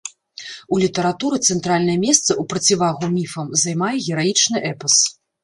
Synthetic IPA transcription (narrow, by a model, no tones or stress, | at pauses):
ulʲit̪ɐɾat̪uɾɨt̪sɛnt̪ɾalʲnɐjɐmʲɛst̪sɐupɾɐt͡sʲivaɣumʲifɐmzajmajɛɣʲɛɾajit͡ʂnɨʔɛpɐs